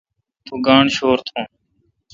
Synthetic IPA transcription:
t̪ʰuːɡaːɳʃoːɾt̪ʰõː

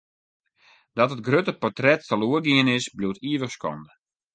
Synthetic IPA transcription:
dɔtət̚ɡrøtəpɔrtrɛtːəluəɡiənɪsblutiəʋəxskɔ̰ndə

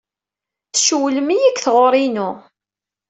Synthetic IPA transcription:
θʃuwləmijikːθʁoɾˤinʊ

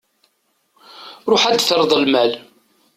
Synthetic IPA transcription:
ɾˤoħæd̪θɾəðˤəlmæl

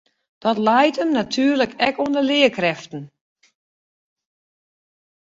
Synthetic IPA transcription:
d̥ɔtlɛjtəmnatʰyːərləkʰɛkoəndəlɪəkrɛftən̩

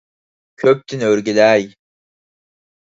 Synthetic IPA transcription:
kʲʰøp̚t̪ʰinøɾɡʲelæj

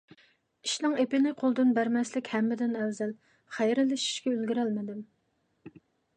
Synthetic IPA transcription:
i̥ʃnɨŋepɪnɪqʰolˠd̪ɨnbæɾmɛslɪkʲhɛmːɪd̪ɪnælzɛl | χæjɾɪlːɪʃi̥ʃkʲɛølɡʲiɾɛlmɪd̪ɪm

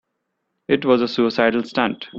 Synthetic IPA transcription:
ɪʈʋɔːzəsuɪsaɪɖəl̩sʈæ̃ɳʈ

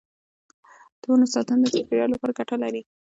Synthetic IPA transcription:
d̪̥oonasɑt̪and̪əsafeɾjɑlopəɾɡaʈalaɾi

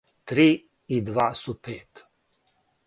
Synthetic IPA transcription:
t̪ɾi | id̪vasupʰeːt̪

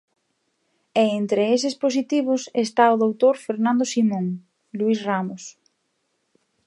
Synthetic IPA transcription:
eent̪ɾees̬ɪspos̬it̪iβ̞ʊsest̪aʊðowt̪oɾfeɾnãnd̪osimõŋ | luisramʊs

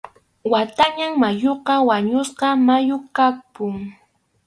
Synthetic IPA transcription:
wat̪aɲaŋmajoqɑwaɲʊsqɑmajokapʊŋ

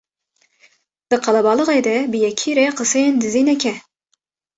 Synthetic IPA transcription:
d̪̥ɨqʰɑlˠɑbɑlˠɨʁed̪ɛbɨjɛkʰiɾeqəsejend̪ɨzinɛkʲʰɛ

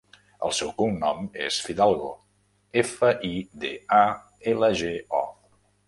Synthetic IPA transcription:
ə̰lˠsɛwkuŋnɔmḛsfiðalˠɣo | efəʔid̪ea | eləʒeɔ

